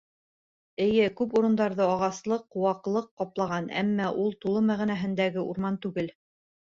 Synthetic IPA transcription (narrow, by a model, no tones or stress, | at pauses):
ɘ̆jɘkʉpuɾɤ̆nd̪ɑɾðɤɑʁɑslˠɤqːŏwɑqlˠɤqːɑplˠɑʁɑnæ̰mːæʔulˠt̪ulˠɤmæʁinæɦɘ̆nd̪æɡɘuɾmɑnt̪ʉɡɘl